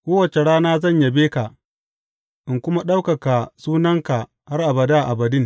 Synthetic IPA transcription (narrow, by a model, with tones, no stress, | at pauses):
kʷoː˦wɐ˨t͡ʃe˨ɽaː˦naː˦zɐ˦˨ɲja˨beː˦ka˨ | ʔɪ˨ŋkʷʊ˦ma˦ɗa˦wkɐ˨ka˨suː˦nɐ˦ŋka˨ | ha˦rʔa˨bɐ˨daː˦ʔa˨bɐ˨dɪ˦ŋ